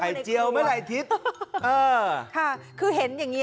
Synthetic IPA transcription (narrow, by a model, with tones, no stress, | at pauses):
a˨˧˩jt͡ɕi˧əwma˦˥˩jla˧˩jt̪ʰi˦˥t̪̚ʔɤː˧kʰa˧˥˩ | kʰɯː˧ɦe˩˦njaː˨˩ŋːi˦˥